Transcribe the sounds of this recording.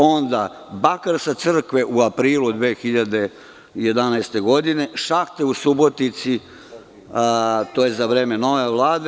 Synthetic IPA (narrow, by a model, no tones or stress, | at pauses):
o̞nd̪a | bakaɾsat̪sr̩kʋeʔuapɾiːlud̪ʋeːxiʎad̪e | je̞d̪anaest̪e̞ɡo̞d̪ine̞ʃakt̪eusubo̞t̪nit̪si | t̪o̞ːjezaʋɾeːmeno̞ʋe̞ʋlˠaːd̪e